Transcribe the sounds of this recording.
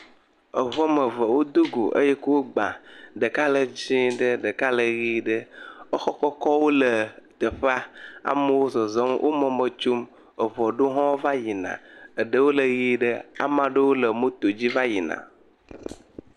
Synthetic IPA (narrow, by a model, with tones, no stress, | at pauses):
ə˨vɔ˦mə˨və˨wo˦d̪o˦ɡo̰˨ʔə̰˦jɛ˦kə˦wo˦ɡ͡bã̰˨ɖə˨ka˦lə˨d͡ʑĩ˦ɖə˦ɖə˨ka˦lə˨ɣi˦ɖə˦ə˦xɔ˦kɔ˦kɔ˦wo˦lə˨t̪ə˨ɸa˦a̰˨mə˦wo˦zɔ˨zɔ˦mwʔo̰˦mɔ̃˦mə˨t͡ʃu˦m | ə˨vɔ˨ɖo˦ɦɔ̃˦wo˦va˦ji˨nã̰˨ə˨ɖə˦wo˦lə˨ɣi˦ɖə˦a̰˨mã˦ɖə˦wo˦lə˨mə˦t̪o˨d͡ʑi˦va˦ji˨nã̰˨